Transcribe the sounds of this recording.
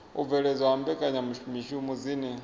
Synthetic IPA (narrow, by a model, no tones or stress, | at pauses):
uvɛɺɛzwaambɛkʼaɲamuʃumiʃumuzinɛ